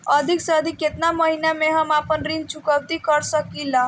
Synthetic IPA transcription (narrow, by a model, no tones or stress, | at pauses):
əd̪ʱiksəd̪ʱiket̪naməɦinjameɦəmapənɾint͡ʃʰukəwt̪ikəɾsəkilːa